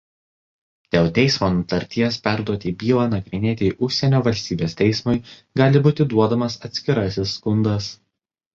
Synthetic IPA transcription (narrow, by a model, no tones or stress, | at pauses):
d̪̥ʲeːlˠt̪ʲɛɪsmoːnʊt̪ɐɾʲt̪ʲiɛspʲæˑɾd̪uɔt̪ʲɪbʲiːlˠɑːnɐɡɾʲɪnʲeːt̪ʲɪʔʊʃʲsʲɛnʲoːʋɐlʲsʲt̪ʲiːbʲeːst̪ʲɛɪsmʊɪ | ɡɑːlʲɪbuːt̪ʲɪd̪uɔd̪ɐmɐsɐt̪ʲsʲkʲɪɾɐsʲɪsːkʊnd̪ɐs